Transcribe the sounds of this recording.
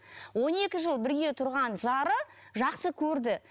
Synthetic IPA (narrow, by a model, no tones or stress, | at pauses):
wo̞ne̞kʲɪʒəlˠbɪɾɡʲe̞t̪ʰʊɾʁɑnʒɑɾə | ʒɑqsəkʲʰɵɾd̪ɪ